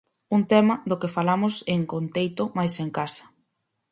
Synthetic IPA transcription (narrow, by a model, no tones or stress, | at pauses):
uŋt̪ɛmɐðʊkɪfalamʊseŋkont̪ejt̪ʊmajseŋkasɐ̥